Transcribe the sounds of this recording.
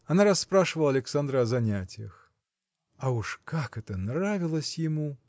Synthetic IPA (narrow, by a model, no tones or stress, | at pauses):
ɐnaɾaspɾaʂvɐlˠɐlʲɛksand̪ɾɐɐzanʲat͡sʲjɐ̰x | ɐuʂkakɛt̪ɐnravʲilˠɐsʲjɪmu